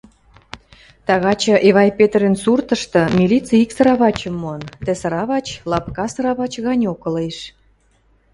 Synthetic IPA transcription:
t̪ɑɣɑt͡ɕə̆ʔeβɑjpet̪rensurt̪ə̆ʃt̪ɤ̆mʲilʲit͡siiksəɾɑβɑt͡ɕə̆mːont̪ĕsəɾɑβɑt͡ɕlɑpkɑsɤɾɑβɑt͡ɕɣɑnʲokə̆leʃ

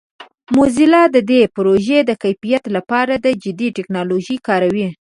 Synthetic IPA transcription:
mozilɑd̪əd̪epʊɾoʒed̪əkajfijat̪lapɑɾad̪əd͡ʒɪd̪iʈɪknɑloʒəjkɑɾawi

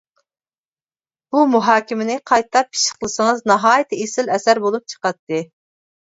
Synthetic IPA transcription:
umuɦɑːkʲimɪnɪqʰɑjt̪ʰɑpːi̥ʃə̥χlˠɨsəŋɨznɑɦɑːjit̪ʰɨesɪlɛsæɾbolˠup̚t͡ʃʰə̥qɑt̪ːɨ

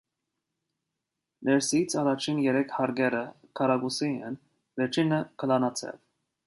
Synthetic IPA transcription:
nɛɾsit͡sʰɑrɑt͡ʃʰinjɛɾɛkʰhɑɾɡɛɾə | kʰɑɾɑɡusiɛn | vɛɾt͡ʃʰinəkʰəlɑnɑt͡sʰɛ̰v

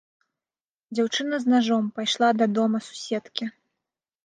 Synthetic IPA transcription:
d͡zʲawt͡ʂɨnɐznaʐɔmpajʂlˠad̪ɐd̪ɔmɐsu̥sʲɛt̪kʲi

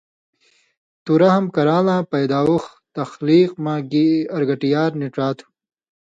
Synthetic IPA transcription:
t̪uɾɐhɐmkɐɾaːlãːpɐjd̪aːux | t̪ɐxliːqmãːɡiɐɾɡɐʈijaːɾniʈ͡ʂaːt̪ʰu̥

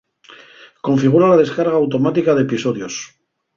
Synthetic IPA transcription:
ko̞ɱfiɣ̞uɾalað̞e̞skaɾɣaːwt̪o̞mat̪ikaðepiso̞ðjo̞s

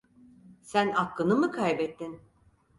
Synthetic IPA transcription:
sænaklˠɯnɯmɯkʰajbɛt̪ːin

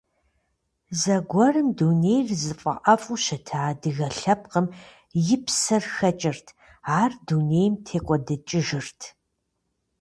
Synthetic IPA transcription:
zɐɡʷɔrɨmduːneːjrzɨfʼɐ̰ʔɐfʼuʃɐtʰaːdɨɣɐɬɐp̚qəm | jɪpsɐrxɐt͡ʃʼɪrtʰ | aːrduneːjmtʰeːkʷʼɔdɐt͡ʃʼɪʒɨrtʰ

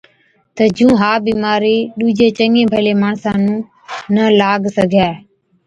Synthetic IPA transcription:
t̪əd͡ʒũːɦaːbiːmaːɾiːɗuːd͡ʒeːt͡ʃəŋẽːbʱəleːmaːɳsãːnũː | nəlaːɡsəɡʱjaːe

